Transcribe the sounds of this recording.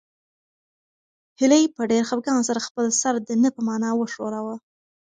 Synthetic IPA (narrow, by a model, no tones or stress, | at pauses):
hɪləjpəɖeɾxapɡɑnsaɾaxpəlsaɾd̪ənəpəmɑnɑwəʂoɾawa